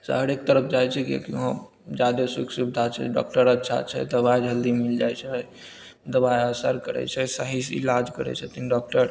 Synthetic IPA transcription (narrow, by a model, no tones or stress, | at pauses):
sə̰ɦəɾek̚t̪əɾəpʰd͡ʒajt͡ʃʰɛkḭkiɦõ | d͡ʒad̪esukʰsubid̪ʱat͡ʃʰɛ̰ɖɔ̰k̚ʈəɾətːʃʰa̰t͡ʃʰɛ̰d̪əβajd͡ʒʱəld̪imild͡ʒajt͡ʃʰɛ | d̪əbajəsəɾkəɾɛ̰t͡ʃʰɛsaɦisḭlad͡ʒkəɾɛ̰t͡ʃʰɛt̪inɖɔk̚ʈəɾ